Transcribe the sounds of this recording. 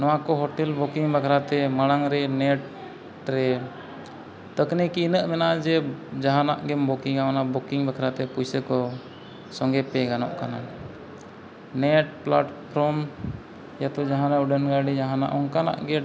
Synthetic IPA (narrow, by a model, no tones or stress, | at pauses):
nɔwakɔɦɔʈɛlbukiŋbakʰɾat̪ɛmaɽ̃aŋɾɛnɛʈ | ɾɛ | t̪əknikiːnəʔmɛnad͡ʒɛd͡ʒaɦanaʔɡɛmbɔkiŋawanabukiŋbakʰɾat̪ɛpujsəkɔ | sɔŋɡɛpɛɡanɔ̰ʔkana | nɛʈ̚plaʈpʰɾɔm | jat̪ɔd͡ʒaɦãnauɖənɡaɖid͡ʒaɦana̰ʔɔŋkana̰ʔɡɛ